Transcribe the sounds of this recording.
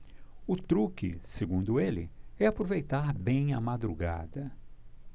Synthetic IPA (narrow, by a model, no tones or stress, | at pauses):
ʊt̪ɾukɪ̰seɡũnd̪ʊelɪ̰ɛapɾovejt̪aɾbẽj̃ɐ̰mad̪ɾuɡa̰d̪ɐ